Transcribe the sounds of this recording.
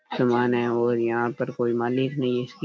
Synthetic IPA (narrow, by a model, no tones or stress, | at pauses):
zɐmaːnɛ̃ɔːɾjɐɦãpɐɾkoːimaːlɪknɐɦĩɪski